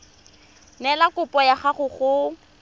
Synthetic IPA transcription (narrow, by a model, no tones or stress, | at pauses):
nɛlakʊpʼɔjaχaχʊχʊ